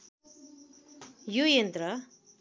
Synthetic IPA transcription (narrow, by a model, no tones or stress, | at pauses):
jujent̪ɾʌ